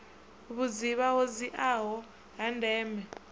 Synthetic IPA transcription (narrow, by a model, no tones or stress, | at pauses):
uβud͡ziβaɦoziʔaɦɔ | ɦandʱɛːmɛ